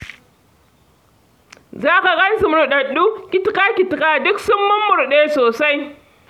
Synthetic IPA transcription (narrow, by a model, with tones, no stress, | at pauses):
zaː˦ka˨ɣa˦n˦su˨m˨ɾu˨ɗɐ˨ɗːu˦kʲi˦tkaː˦kʲi˨tka˦dʊ˦ksʊ˦mːʊ˦mːʊ˨ɾɗe˦soː˨sa˦j